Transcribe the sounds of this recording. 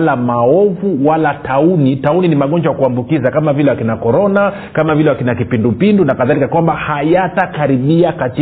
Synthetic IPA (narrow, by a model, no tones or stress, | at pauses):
lamaɔvuwalataunitauninimaɠɔɲd͡ʒajakuambukizakamavilɛwakinakɔɾɔna | kamavilɛwakinakipindupindunakaðalikakwambahajatakaɾiɓiakati